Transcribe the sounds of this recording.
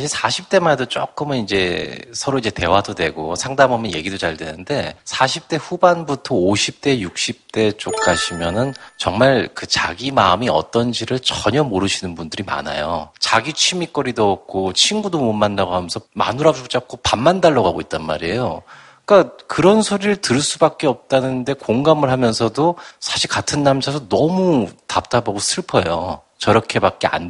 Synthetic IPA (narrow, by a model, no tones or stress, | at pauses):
ɕʰiɭsʰaɕʰip̚t͈e̞manedot͡ɕ͈o̰k͈ɯmɯnind͡ʑe̞sʰʌɾoid͡ʑe̞te̞wadodwe̞ɡosʰaŋdamamjʌnje̞̰ɡidot͡ɕaɭdwenɯnde̞sʰaɕʰip̚t͈e̞ɸubanbutʰʌoɕʰip̚t͈e̞juk̚ɕ͈ip̚t͈e̞t͡ɕ͈ok̚k͈aɕʰimjʌnɯnt͡ɕʌŋmaɭkɯt͡ɕaɡimaɯmiʌ̰t͈ʌnd͡ʑiɾɯɭt͡ɕʌɲʌmoɾɯɕʰinɯnbundɯɾima̰na̰jo̰t͡ɕaɡit͡ɕʰimik͈ʌɾidoʌp̚k͈ʰot͡ɕʰinɡudomomːanːaɡoɦamjʌnsʰʌma̰nuɾad͡ʑut͡ɕ͈ak̚k͈opamːandaɭːʌɣaɡoit̚t͈anma̰ɾiejo | k͈akɯɾʌnsʰoɾiɾɯɭtɯɾɯɭs͈ubak̚k͈e̞ʌp̚t͈anɯnde̞koŋɡamɯɭɦamjʌnsʰʌdosʰḁɕʰiɭkatʰɯnːamd͡ʑʰasʰʌnʌmutap̚t͈abaɡosʰɯɭpʰʌjo̰ | t͡ɕʌɾʌkʰe̞bak͈̚e̞a̰n